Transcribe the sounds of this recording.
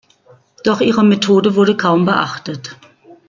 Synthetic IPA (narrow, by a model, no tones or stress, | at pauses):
d̥ɔχʔiːʁəmetʰoːdəvʊɐdəkʰaʊmbəʔa̰χtət